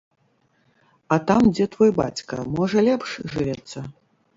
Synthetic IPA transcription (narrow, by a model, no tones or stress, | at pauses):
ɐt̪amd͡zʲɛt̪vɔjba̰t͡sʲkɐ̰mɔʐɐlʲɛpʂʐɨvʲɛt̪sːɐ